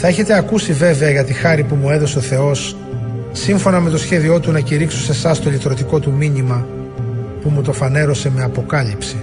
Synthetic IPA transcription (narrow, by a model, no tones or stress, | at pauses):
θɐeçe̞t̪e̞ɐkusive̞ve̞ɐʝɐt̪ixɐɾipumue̞ðo̞se̞oθe̞o̞sː | iɱfo̞nɐme̞t̪o̞sçe̞ðio̞t̪unɐciɾiksose̞sɐst̪olit̪ɾo̞t̪iko̞t̪umiɲimɐ | pumut̪o̞fɐne̞ɾo̞se̞me̞ɐpo̞kɐlipsi